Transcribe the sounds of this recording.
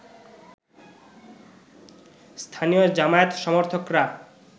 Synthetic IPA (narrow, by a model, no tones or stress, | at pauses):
st̪ʰanijod͡ʑamaet̪ʃɔmoɾt̪ʰokɾa